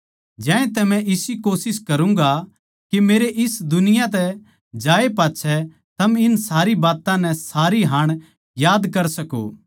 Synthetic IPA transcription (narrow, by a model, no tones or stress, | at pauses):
d͡ʒɛ̃ːẽt̪ɛmɛ̃ʔɪsikoːsɪskɐɾũŋɡa | kimeːɾeʔɪsd̪ʊnɪjãt̪ɛ | d͡ʒaːepaːtːʃʰɛ | t̪ɐmɪnsaːɾibaːt̪ãnɛsaːɾiɦaːɽ̃ | jaːd̪kɐɾsɐko̰ː